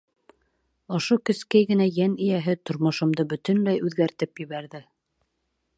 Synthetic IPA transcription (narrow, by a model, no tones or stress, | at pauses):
ŏʃokɵ̆skæjɡɘ̆næjænɘ̆jæɦɘt̪ŏɾmŏʃŏmd̪ɤbɵt̪ɘ̆nlæjʉðɡæɾt̪ɘpjɘ̆βæɾðɘ